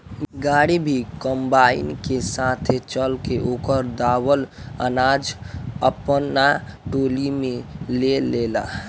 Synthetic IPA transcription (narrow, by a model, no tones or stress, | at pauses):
ɡaːɽibʱikə̃mbaːɪ̰nkesaːt̪ʰet͡ʃəlkeʔoːkəɾd̪aːwələ̰naːd͡ʒəpnaʈoːlimẽleleːla̰ː